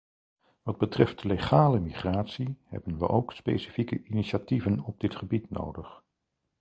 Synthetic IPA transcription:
ʋɑd̚bətrɛftleχaːləmiχraːtsihɛ̰bənʋə̰ʔowkspḛjsi̥fikəʔiniʃativənɔb̚dɪtχəbitno̰wdəχ

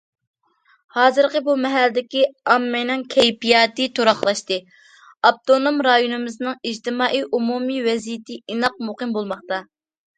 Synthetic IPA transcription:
hɑːzɨɾqəbumɛɦæld̪ɪkʲiɑmːɪnɨŋkʲʰɛjpijɑːt̪ɨt̪ʰoɾɑχlˠɑʃt̪ɨ | ɑb̚t̪onomɾɑjonɨmɪznɨŋid͡ʒt̪ʰɨmɑːʔijumumiwɛzijɪt̪ʰɪinɑq̚moqɨmbolˠmɑχt̪ɑ

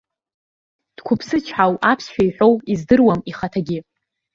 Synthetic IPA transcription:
d̥kʷʰʊpʰsɨt͡ʃʷʰħawapʰsʃᶣaiħʷᶣo̞wizdɨrwamiχatʰaɡʲɪ

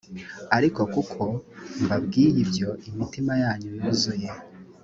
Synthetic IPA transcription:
aɾiko̞kukʰo̞mbabɡiːjibjo̞ʔimitimajaːɲunuzuje

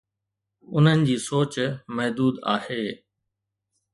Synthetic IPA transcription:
ʊn̤ənɪ̆d͡ʑiːsoːt͡ɕmɐɦd̪uːd̪aːheː

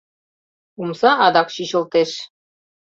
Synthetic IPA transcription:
umsɑʔɑd̪ɑkɕiɕɤ̆lˠt̪eʃ

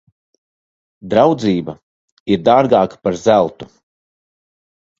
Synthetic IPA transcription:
d̪ɾawd̪ziːba | iɾd̪aːɾɡaːkḁpaɾzælˠt̪u̥

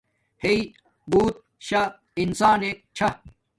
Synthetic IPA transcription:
hei | buːt̪̚ | ɕa | insaːneːk̚t͡ɕʰɐ

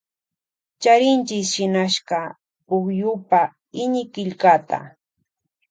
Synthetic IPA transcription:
t͡ʃaɾɪnt͡ʃɪsʃɪnaʃɢɑ | pʊkjʊpa | ɪɲɪkɪʎkat̪a̰

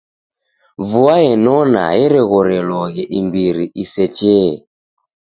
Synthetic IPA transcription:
vuaɛnɔna̰jɛɾɛɣɔɾɛlwɔɣɛʔimbiɾiʔisɛt͡ʃɛɛ

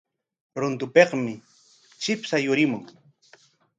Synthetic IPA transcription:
ɾʊnt̪ʊpeqmɪ | t͡ʃɪpsajʊɾɪmʊŋ

